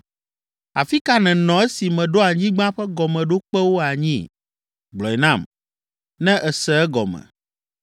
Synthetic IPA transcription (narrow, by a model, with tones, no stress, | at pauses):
a˨fi˦ka˦nɛ̃˨nɔ̃˨ɛ˦si˨mɛ̃˨ɖo˦a˨ɲĩ˦ɡ͡bã˦ɸɛ˦ɡɔ˨mɛ̃˨ɖo˦k͡pɛ˦wo˦a˨ɲĩ˦ | ɡ͡blɔ˨ɛ˨nã˦˨m | nɛ̃˦ʔɛ˨sɛ˨ɛ˦ɡɔ˨mɛ̰̃˨